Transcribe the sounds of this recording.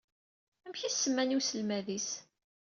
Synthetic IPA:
æmçiθsːəmːænusəlmæðis

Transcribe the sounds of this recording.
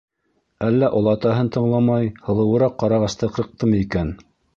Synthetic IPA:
ælːæʔŏlˠɑt̪ɑɦɤnt̪ɤ̆ɴlˠɑmɑjhɤ̆lˠɤ̆wɤ̆ɾɑqːɑɾɑʁɑst̪ɤqɾɤ̆q̚t̪ɤmɤikæn

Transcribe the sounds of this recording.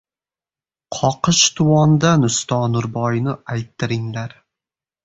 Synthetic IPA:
qʰɒqɨʃt̪ʰʊwɒnd̪anʊst̪ɒnʊɾbɒjnɪajt̪ʰːɪɾɪŋlaɾ

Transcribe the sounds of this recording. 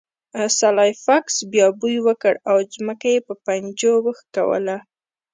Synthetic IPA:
salɑjfaksbjɑbujwəkəɽawzməkajepəpand͡ʒowəxka̰wə̰la

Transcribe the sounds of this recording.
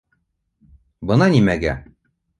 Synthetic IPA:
bɤnɑnimæɡæ̰

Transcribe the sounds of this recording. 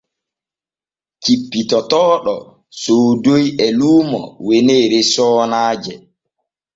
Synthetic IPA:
t͡ʃipːitɔtɔːɗɔ̰ | soːdojɛluːmɔ̰weneːɾesɔːnaːd͡ʒɛ

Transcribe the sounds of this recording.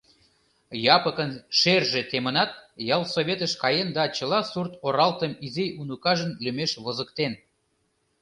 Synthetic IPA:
jɑpəkənʃerʒet̪emənɑt̪̚jɑlˠsoβʲet̪əʃkɑjend̪ɑt͡ɕə̆lɑsurt̪oɾɑlt̪əmiziunukɑʒənlymeʃβozəkt̪en

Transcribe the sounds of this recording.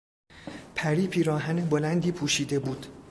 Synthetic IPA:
pʰæɾiːpʰiːɾɒːɦænebo̞lænd̪iːpʰuːʃiːd̪e̞buːd̪̥

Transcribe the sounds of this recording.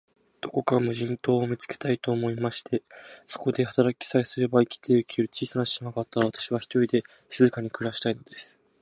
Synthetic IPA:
d̪̥o̞ko̞kamɯ̟ʑĩnt̪o̞ːmʲit͡sɨ̥ke̞̥t̪ait̪o̞ːmo̞imaɕi̥t̪ʰe̞so̞̥ko̞d̪e̞hḁt̪aɾakʲi̥saesɨɾe̞baikʲi̥t̪ʰeɯ̟kʲiɾɯ̟t͡ɕiːsanaɕinakat̪ːaaβat̪ḁɕiβ̞açi̥t̪o̞ɾʲid̪e̞ | sɨzɨkaɲ̟ikɯ̟ɾaɕi̥t̪aino̞d̪̥e̞sɨ̥

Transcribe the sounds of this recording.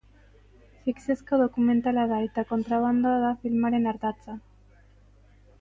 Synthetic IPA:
fiksesko̞ð̞o̞kume̞nt̪alaðae̞t̪ako̞nt̪ɾaβ̞and̪oað̞afilmaɾe̞naɾt̪at͡sa

